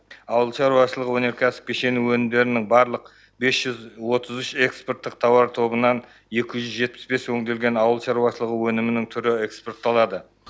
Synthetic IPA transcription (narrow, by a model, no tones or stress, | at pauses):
ɑwəlˠʃɑɾuwɑʃəlˠəʁəwɵne̞ɾkʲʰæsə̥p̚ʲkʲʰeʃenuwɵnɪmd̪e̞ɾɪnɪŋbɑɾlˠəq | be̞sʒ̥ʏzwo̞t̪əzʏʃe̞kspo̞rt̪ːəq̚t̪ʰɑwɑɾt̪ʰo̞bənɑn | je̞kʲɪʒʏzʒe̞t̪̚pɪ̥sbe̞swɵŋd̪e̞lɡʲe̞nɑwəlˠʃɑɾuwɑʃəlˠəʁəwɵnɪmɪnɪŋt̪ʰʏɾɪe̞kspo̞rt̪ːɑlˠɑd̪ə